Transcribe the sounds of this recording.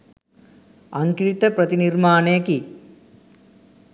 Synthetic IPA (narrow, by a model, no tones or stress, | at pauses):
ɐŋkɾit̪ɐprɐt̪inirmaːneːki